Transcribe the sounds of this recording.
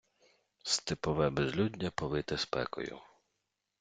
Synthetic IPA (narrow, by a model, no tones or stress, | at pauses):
st̪ɪpɔʋɛbezlʲudʲnʲːɐpɔʋɪt̪ɪspɛ̰kɔ̰jʊ̰